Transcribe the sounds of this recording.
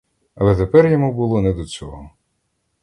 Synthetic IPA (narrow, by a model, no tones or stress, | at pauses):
ɐlˠɛt̪epɛrjɔmubulˠɔnɛd̪ɔt͡sʲɔɦɔ